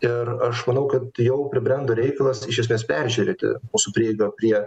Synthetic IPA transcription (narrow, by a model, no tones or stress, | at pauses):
ɪɾɐʃmɐnɐʊkɐt̪jɛʊpʲɾʲɪbʲɾʲɛnd̪oɾʲɛɪkɐlˠɐsɪʃʲɛs̬ʲmʲeːspʲɛɾʲʒʲʉɾʲeːt̪ʲɪ̰muːsʊpʲɾʲiːɛɪɡɐpʲɾʲiɛ